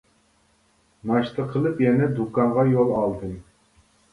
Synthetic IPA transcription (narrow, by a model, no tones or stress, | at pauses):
nɑʃt̪ʰəqʰəlˠɨpjɛnɛd̪ukɑɴʁɑjolˠɑlˠd̪ɨm